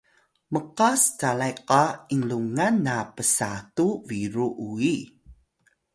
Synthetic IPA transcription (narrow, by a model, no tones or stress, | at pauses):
məqastalajqaiŋluŋanːapəsatuviɾuʔui